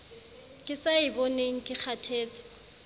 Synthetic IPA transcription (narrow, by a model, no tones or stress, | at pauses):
kʼɪsaɪbɔneŋ̩kʼɪk͡xʰatʰeːt͡sʼɪ̥